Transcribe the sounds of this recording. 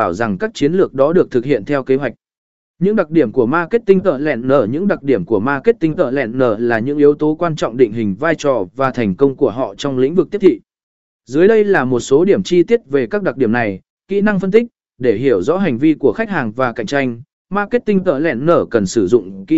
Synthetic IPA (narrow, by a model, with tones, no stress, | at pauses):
aː˧˩wza˨˩ŋkaː˦˥k̚t͡ɕi˨˦ənlɨ˨˩ək̚ɗɔ˨˦ɗɨ˨˩ət̪ʰɨ˨˩k̚hḭ˧˨ənt̪ʰɛ˧wke˨˦ɦwa˨˩jk̟̚ | ɲɨ̰˧˥ŋɗa˨˩k̚ɗi˧˩əmku˧˩əmaː˧ke˦˥t̚t̪i˧ŋt̪ə̰ː˧˨lɛ̰˧˨nːəː˧˩ɲɨ̰˧˥ŋɗa˨˩k̚ɗi˧˩əmku˧˩əmaː˧ke˦˥t̚t̪ï˧ŋt̪ə̰ː˧˨lɛ̰˧˨nːəː˧˩laː˨˩ɲɨ̰˧˥ŋʔi˨˦əwt̪o˨˦kwaː˧nt͡ɕɔ̰˧˨wŋ͡mɗḭ˧˨ŋ̟ɦï˨˩ŋ̟vaː˧jt͡ɕɔ˨˩vaː˨˩t̪ʰa˨˩jŋ̟kə˧wŋ͡mku˧˩əɦɔ̰˧˨t͡ɕɔ˧wŋ͡mlḭ̈˧˥ŋ̟vɨ˨˩k̪̚ʰi˦˥t̪ʰḭ˧˨ | zɨ˨˦əjɗə˧jlaː˨˩mo˨˩t̚so˨˦ɗi˧˩əmt͡ɕi˧t̪i˦˥ət̚ve˨˩kaː˦˥k̚ɗa˨˩ɗi˧˩əna˨˩j | kḭ˧˥na˧ŋfə˧nt̪ï˦˥k̚ | ɗe˧˩ɦi˧˩əwzɔ̰˧˥ɦa˨˩jŋ̟vi˧ku˧˩əxa˦˥jk̚haː˨˩ŋvaː˨˩ka̰˧˨jŋt͡ɕa˧jŋ̟ | maː˧ke˦˥t̚t̪ï˧ŋt̪ə̰ː˧˨lɛ̰˧˨nːəː˧˩kə˨˩nsɨ˧˩zʊ̰˧˨ŋ͡mki˧